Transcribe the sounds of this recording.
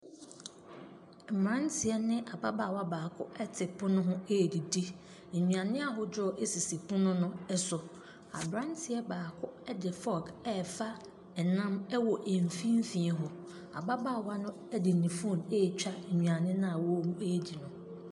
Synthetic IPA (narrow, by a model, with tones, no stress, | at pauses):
m̩˨mɾã˦n˦tʰɪ˨ɛ˦nɪ̃˦ʔa˨ba˦ba˨wa˦baː˨kʰʊ̰˦ʔɛ˦tʰɪ˨pʰʊ˦nʊ̃˦ɦʊ̃˦e˦˨di˨di˦˨ | ɲũ˨ã˨nɪ̃˦a˦ɦʊ˦dɔ˦˨ʔe˦si˨si˨pʰũ˦nʊ̃˦nʊ̃˦ɛ˦sʊ˨ | a̰˨bɾã˦n˦tʰɪ˨ɛ˦baː˨kʰʊ˦ɛ˦dɪ˨fɔ˦kɛ˦˨fa˦ | ɛ˨nã˦mɛ˦wɔ˨ʔe˨m˨fĩ˦m̩˦fĩ˨ɛ˨ɦɔ˨ | a̰˨ba˦baː˦˨wa˦nʊ̃˦ | ɛ˦dɪ˨nĩ˨fũ˦˨neː˦˨t͡ɕᶣa˦˨ɲũ˨a˨nɪ̃˦nã˦a˨wɔ˦mũ˦e˦˨di˨nʊ̃˨